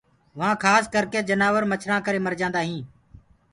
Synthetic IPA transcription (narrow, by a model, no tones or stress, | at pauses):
ʋãːkʰaːskəɾkeːd͡ʒənaːʋəɾmət͡ʃʰɾãːkəɾeːməɾd͡ʒãːnd̪aːɦĩː